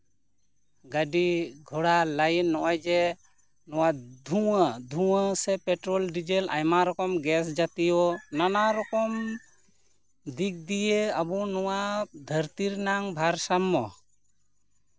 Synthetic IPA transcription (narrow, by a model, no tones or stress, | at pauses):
ɡaɖiɡʱɔɽalajnːɔʔajd͡ʒɛ | nɔwad̪ʱuad̪ʱuəsɛpɛʈɾɔlɖid͡ʒela̰jmaɾɔkɔmɡɛs̬d͡ʒat̪ijɔnanaɾɔkɔm | d̪ik̚d̪ijeabɔnɔwad̪ʱəɾt̪iɾnaŋbʱaɾsamːɔ